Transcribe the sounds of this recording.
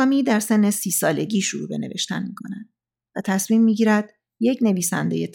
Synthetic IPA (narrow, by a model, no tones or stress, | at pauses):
miːd̪æɾse̞nːe̞siːsɒːle̞ɟiːʃoɾṵːbe̞ne̞ve̞ʃt̪ænmiːkʰonænd̪̥̚ | væt̪ʰæsmiːmːiːɟiːɾæd̪̥ | je̞cʰne̞viːsæ̰nd̪e̞je̞t̪ʰ